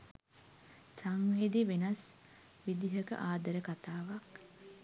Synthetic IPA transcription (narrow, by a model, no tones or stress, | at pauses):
saŋʋeːd̪iʋenɐs | ʋid̪iɦəkə̰ʔaːd̪əɾəkat̪aːʋak